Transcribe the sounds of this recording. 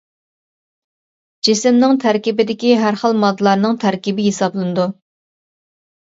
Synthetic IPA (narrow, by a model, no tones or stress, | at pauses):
d͡ʒisɪmnɪŋt̪ʰæɾkʲibɪd̪ɪkʲiɦæɾχəlˠmɑd̪lˠɑɾnɨŋt̪ʰæɾkʲibɪɦesɑblˠɨnɨd̪u